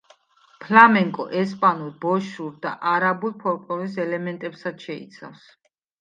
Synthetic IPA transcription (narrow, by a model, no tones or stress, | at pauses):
pʰlamɛŋkʼɔ̰ʔɛspʼanuɾbɔʃuɾd̪a̰ʔaɾabulˠpʰɔɾkʼlɔlis̬ɛlɛmɛnt̪ʼɛpsad̪ʃɛḭt̪sʰa̰fs